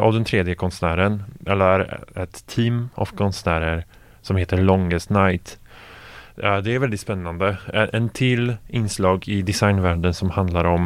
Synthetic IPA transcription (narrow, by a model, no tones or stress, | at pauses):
a̰vd̪ɛnt̪ʰɾeːd̪jəkʰɔnsnæːɾənɛlːəɾɛt̪ʰːiːmɔ̰vkʰɔnsnæːɾəɾ | sɔmheːt̪əɭɔŋəst̪najt̪ | d̪ɛæɾvɛld̪ɪt̪spɛnːand̪əʔɛnt̪ʰɪlːɪnːslɑːɡɪd̪ɪsajnvæːɖənsɔmhand̪laɾɔm